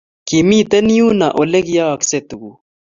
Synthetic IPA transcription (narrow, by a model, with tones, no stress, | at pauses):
ki˨mi˦t̪ɐ˦ni˦ju˦na˨ʔo˨le˦ɡja˦ɐ˨ksep̚t̪u˨ɡu˨